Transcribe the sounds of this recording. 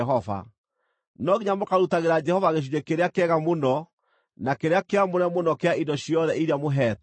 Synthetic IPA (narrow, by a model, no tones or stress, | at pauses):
ɦɔva̰ | nɔɣiɲamokaɾutaɣeɾad͡ʒɛhɔvaɣeʃ̬uɲekeɾeakɛɣamonɔ | nakeɾeakeamoɾɛmonɔkeaindɔɕiɔðɛiɾiamoɦɛt